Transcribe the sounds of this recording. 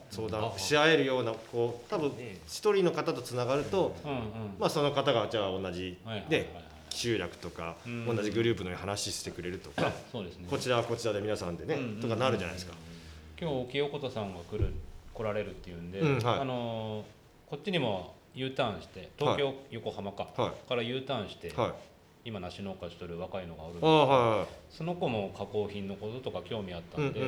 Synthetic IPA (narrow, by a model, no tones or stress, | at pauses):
so̞ːd̪ãɕiae̞ɾɯ̟jo̞ːnako̞ːt̪abɯ̟̃ɕi̥t̪o̞ɾʲiːno̞kat̪at̪o̞t͡sɨnaɡaɾɯ̟t̪õ̞ | maso̞no̞kat̪aɡat͡ɕaːõ̞nːaʑine̞̥ | ɕɨːɾʲjakɯ̟̥t̪o̞ka̰õ̞nːaʑiɡɯ̟ɾɯ̟ːp̬ɯ̟noɲihanaɕisɨ̥t̪e̞kɯ̟ɾe̞ɾɯ̟t̪o̞kasoːd̪esneko̞t͡ɕiɾaβako̞t͡ɕiɾad̪e̞mʲinasãnd̪e̞ne̞t̪okanaɾɯ̟ʑa̰na̰iesɨ̥ka | kʲo̞ːokʲio̞ko̞t̪osãŋɡakɯ̟ɾɯ̟ko̞ɾaɾe̞ɾɯ̟t̪ːe̞jɯ̟̃nd̪e̞haano̞ | ko̞tt͡ɕːiɲ̟imo̞ | jɯ̟ːt̪ãɰ̃ɕi̥t̪e̞t̪okʲo̞ːjo̞ko̞hamakaaikaɾajɯ̟ːt̪ãɰ̃ɕi̥t̪e̞hai | imanaɕino̞ːkaɕi̥t̪oɾɯ̟βakaino̞ɡaoɾɯ̟aɦajhaso̞no̞ko̞mo̞kako̞ːçĩnːo̞ko̞t̪ot̪o̞kakʲo̞ːmʲiat̪ːanñd̪e